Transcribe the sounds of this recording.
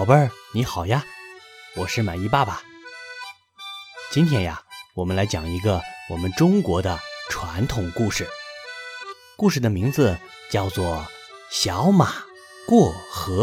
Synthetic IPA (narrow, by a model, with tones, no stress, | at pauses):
ʊbə˞˥˧˥ni˧˥xɑ˨˩ʊja˧wɔ˨˩ʂɻ̩˥˩ma˨˩ɪi˥˧pa˥˩bɐ˩ | t͡ɕi˥nt̪ʰjɛ˧˥nja̰˧wɔ˨˩mə˦nla˧˥ɪt͡ɕjɑ̰˨˩ŋi˧˥ɡə˧wɔ˨˩mə˦nʈ͡ʂʊ˥ŋkwɔ˧˥d̪ə˧ʈ͡ʂʰwa˧˥nt̪ʰʊ˨˩ŋku˥˩ʂɻ̩˨˩ | ku˥˧ʂɻ̩˥˩d̪ə˩mi˧˥ŋd͡zɹ̩˧ | t͡ɕjɑ˥˧ʊt͡swɔ˥˩ | ɕjɑ˧˥ʊma˨˩ | kwɔ˥˩xɤ˧˥